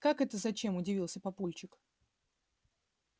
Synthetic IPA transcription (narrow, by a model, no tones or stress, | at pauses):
kakɛt̪əzɐt͡ɕe̞mʊdʲɪvʲilˠsʲəpɐpulʲt͡ɕɪk